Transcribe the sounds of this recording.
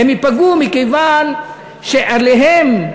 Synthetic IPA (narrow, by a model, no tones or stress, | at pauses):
emipaɡumikejvan | ʃeʔaleɦem